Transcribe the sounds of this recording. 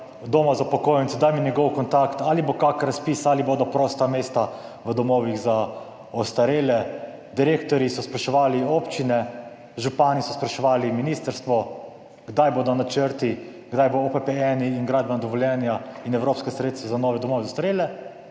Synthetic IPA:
d̪oːmazapɔkoːjɛnt̪sd̪ajminʲjɛɡɔwkɔnt̪akt̪alibokakɾaspiːsaliboːd̪ɔpɾɔːst̪ameːst̪aʋəd̪ɔmɔːʋiɣza | ɔst̪aɾeːlɛ | d̪iɾeːkt̪ɔɾisɔspɾɛʃɛʋaːlioːpt͡ʃinɛ | ʒupaːnisɔspɾɛʃɛʋaːliminiːst̪əɾst̪ʋɔ | ɡd̪ajboːd̪ɔnat͡ʃəɾt̪i | ɡd̪ajboopɛpɛɛniːnɡɾaːd̪̚bɛnad̪ɔʋɔljɛnjainɛwɾoːpskɛsɾeːt̪st̪ʋɛzanɔːʋɛd̪ɔmoːʋɛzast̪aɾeːlɛ

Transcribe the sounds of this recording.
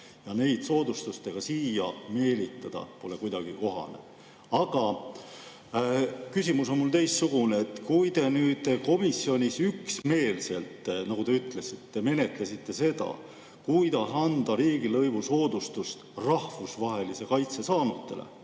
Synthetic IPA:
jɑne̞jd̪̥so̞ːd̪̥ust̪ust̪e̞ɡ̥ɑsiːjɑme̞ːlit̪ːˑɑd̪̥ɑ̰po̞le̞kujd̪̥ɑɡ̥iko̞ɦɑ̰ne̞̰ | ɑɡ̥ɑ | kysʲimuso̞nmult̪e̞jst̪suɡ̥uneet̪kujt̪e̞nyːd̪̥ko̞misːjo̞nʲisyksme̞ːlse̞lt̪nɑɡut̪e̞yt̪ːˑle̞sit̪ːe̞me̞ne̞t̪lesit̪ːe̞se̞d̪̥ɑ̰ | kujd̪ɑsɑnd̪̥ɑɾiːɡ̥ilɤ̞jvuso̞ːd̪̥ust̪ust̪rɑhvusvɑɦe̞lise̞kɑjt̪se̞sɑːnut̪ˑːelʔḛ

